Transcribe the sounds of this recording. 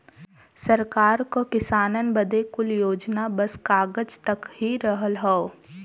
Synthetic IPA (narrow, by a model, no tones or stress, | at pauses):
sɐɾkaːɾkokɪsaːnənbəd̪ekʊljoːd͡ʒnabɐskaːɡəd͡ʒt̪ɐkɦiɾəɦəlɦɛo